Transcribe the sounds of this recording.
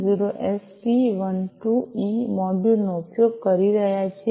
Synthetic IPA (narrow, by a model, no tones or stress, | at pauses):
ziɾoʔespiʋənʈuimɔɖulnoupjoɡ̚kəɾiɾəɦjat͡ʃʰe